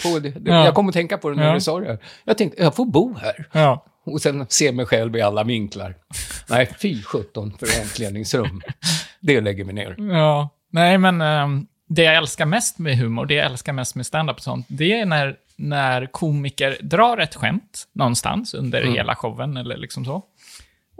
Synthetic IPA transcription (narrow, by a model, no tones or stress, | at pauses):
pɔd̪ɛd̪ɛjɑkɔmːəɔt̪ʰɛŋkapʰɔd̪ɛnːɪsɔɾæɾjɑt̪ʰɛŋkt̪əjɑfobuːhæːɾ | ɔsɛnseːmɛjɧɛlvɪalːavɪŋkla̰ɾnɛɪfiːɧɵt̪ːɔnfœɾɛnt̪ʰleːd̪nɪŋsɾɵmːd̪ɛlɛɡːəɾmɪnḛːɾjɑː | nɛɪmɛn | d̪ɛjaɛlskaɾmɛst̪mɛɦʉ̟ːmʊɖɛjaʔɛlskaɾmɛst̪mɛst̪and̪apɔ̥sɔ̰nt̪̚d̪ɛænæɾ | næɾkʰuːmɪkəɾd̪ɾɑːɾɛt̪ːɧɛ̰mt̪nɔnst̪a̰nsɵ̰nd̪ə̰ɾhḛːlʔa̰ɧɔvːənɛlːə̰ɭɪksɔmsɔ